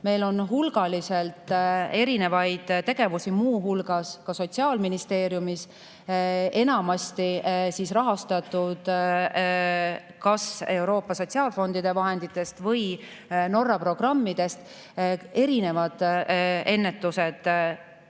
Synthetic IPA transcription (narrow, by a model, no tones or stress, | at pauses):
me̞jlo̞nɦulɡ̥ɑlise̞lt̪e̞ɾine̞vɑjd̪̥t̪e̞ɡ̥e̞vusimuːɦulɡ̥ɑskɑso̞t̪ʲsiɑːlminist̪e̞ːɾjumis | e̞nɑmɑst̪isiːsrɑɦɑst̪ɑt̪ːˑud̪̥ | kɑse̞wɾo̞ːpːˑɑso̞tʲsiɑːlfo̞nd̪̥id̪̥e̞vɑɦe̞nd̪̥it̪ːˑe̞st̪vɤj | no̞rːɑpro̞ɡ̥rɑmːid̪̥e̞st̪ | e̞ɾine̞vɑd̪̥e̞nːe̞t̪ːˑuse̞d̪̥